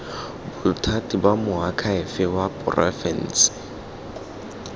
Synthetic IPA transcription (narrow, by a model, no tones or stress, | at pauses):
bʊtʰatʼibamʊakʰaɪfɪwapʼʊ̰rʔɛ̰fɛ̰n̩s